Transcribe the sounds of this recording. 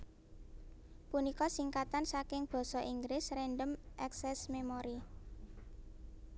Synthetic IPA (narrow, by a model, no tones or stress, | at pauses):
punikɔsiŋkat̪ansakɪŋb̥ɔ̤sɔʔiŋɡɾɪsrɛnɖəmʔɛksɛsmemoɾi